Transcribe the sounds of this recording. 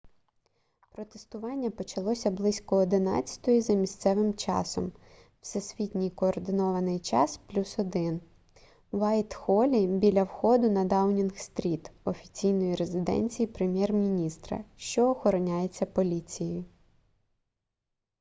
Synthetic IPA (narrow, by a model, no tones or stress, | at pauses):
pɾɔt̪est̪ʊʋɑnʲːɐpɔt͡ʃɐlˠɔsʲɐblˠɪsʲkɔːd̪ɪnɑ̰t͡sʲːɐ̥t̪ɔjizɐmʲisʲt̪sɛʋɪmt͡ʃɑ̰sɔm | w̥sɛsʲʋʲit̪ʲnʲijkɔːrd̪ɪnɔʋɐnɪjt͡ʃɑsplʲusɔd̪ɪn | wɑjt̪xɔlʲibʲilʲɐwxɔd̪ʊnɐd̪ɑwnʲinxst̪ɾʲit̪ɔfʲit͡sʲijnɔjiɾezɪd̪ɛ̰nʲt͡sʲijipɾemʲjɛrmʲinʲist̪ɾɐ̰ʃt͡ʃɔːxɔɾɔnʲajet͡sʲːɐpɔlʲit͡sʲijjjʊ